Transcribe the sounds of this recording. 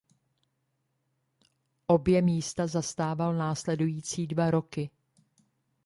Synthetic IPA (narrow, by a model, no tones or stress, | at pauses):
ʔo̞bjɛmiːst̪azast̪aːvalnaːslɛdujiːt͡siːdvaɾo̞kɪ